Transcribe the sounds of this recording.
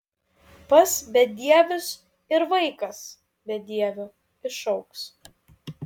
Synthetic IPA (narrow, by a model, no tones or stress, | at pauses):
pɐsbʲɛd̪ʲiɛʋʲʊs | ɪɾʋɐɪkɐs | bʲɛd̪ʲiɛʋʲʊ | ɪʃɐʊks